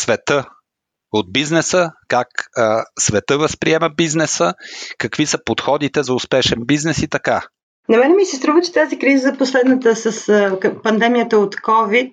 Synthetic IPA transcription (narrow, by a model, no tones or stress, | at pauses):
svɛt̪ə | od̪̚biznɛsəkaksvɛt̪əvəspɾiɛmɐbiznɛsəkɐkvisəpot̪xɔd̪it̪ɛzɐʊspɛʃɛnbiznɛsit̪ɐka | nɐmɛnɛmisɛst̪ɾuvət͡ʃɛ̥t̪azikɾizəzɐposlɛd̪nət̪əsəspɐnd̪ɛmijət̪əot̪kɔvit̪̚